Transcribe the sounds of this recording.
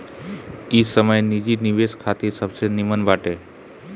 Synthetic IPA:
isəməjnid͡ʒiniʋeskʰat̪isəbsenimənʋaʈe

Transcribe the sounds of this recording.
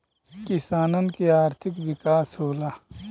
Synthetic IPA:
kisaːnɐnkiaːɾt̪ʰɪkʋikaːsɦoːlaː

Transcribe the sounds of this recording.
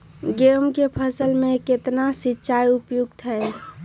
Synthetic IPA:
ɡemkepʰəsəlmẽket̪nasitːʃʰajupjuɡt̪ɦɛe

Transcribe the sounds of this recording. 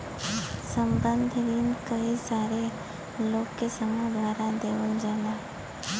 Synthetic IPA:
səmbə̃nd̪ʱɾiːnkəisaːɾe | loːkkːesəmə̃d̪ʱʋaːɾad̪eːʋənd͡ʒaːnaː

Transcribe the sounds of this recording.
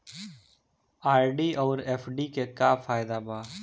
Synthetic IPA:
aːɾɖiːʔɔːɾeːfɖiːkeːkaːfʰaːɪd̪aːbaː

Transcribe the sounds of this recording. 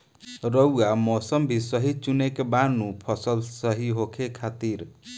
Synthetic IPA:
ɾəwamɔsəmbʱisəɦit͡ʃunekebanũpʰʌsəlsəɦiɦokʰekʰat̪iɾ

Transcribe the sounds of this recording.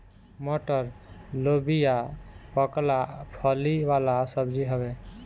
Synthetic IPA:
moʈəɾlobijapəklapʰəliʋalasəbd͡ʒiɦəbɛ

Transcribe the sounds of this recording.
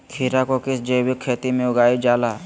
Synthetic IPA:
kʰiːɾakokɪsd͡ʒəjwɪkʰːeːt̪imẽʊɡaːid͡ʒaːlaː

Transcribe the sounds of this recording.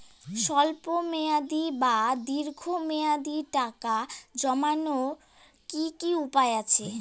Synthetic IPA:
ʃɔlpomead̪ibad̪iɾɡʱomead̪iʈakad͡ʑɔmano | kikiupaeat͡ɕʰe

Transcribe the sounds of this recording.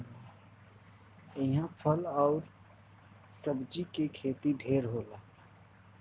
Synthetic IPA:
ɪɦãpʰəlɔʊɾ | səbd͡ʒikekʰeːt̪iɖʱeːɾɦoːla

